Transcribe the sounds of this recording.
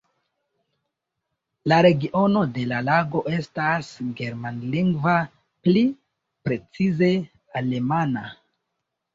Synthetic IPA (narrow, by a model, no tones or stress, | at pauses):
laɾe̞ɡiʔo̞no̞de̞lalaɡo̞ʔe̞stasɡe̞ɾmanliŋɡva | pli | pɾe̞t͡size̞ | ale̞mana